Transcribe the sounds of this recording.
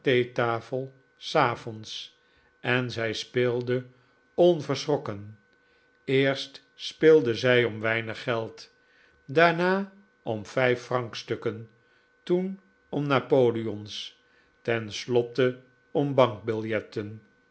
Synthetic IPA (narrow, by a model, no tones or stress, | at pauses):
tejtaːfəlˠ | saːfɔns | ɛnzɛjspɪːlˠdə | ɔnvəɹsrɔkən | ɪːɹst | spɪlˠdəzɛjɔmʋɛjnəχːɛlˠt | daːɹnaː | ɔmvɛjfrɑŋkstɵkən | tun | ɔmnaːpowliɔns | tɛnslɔtə | ɔmbɑŋk̚bɪlˠjɛtən